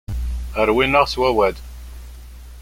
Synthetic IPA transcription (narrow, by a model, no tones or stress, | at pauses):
əɾwinəʁswæwæd̪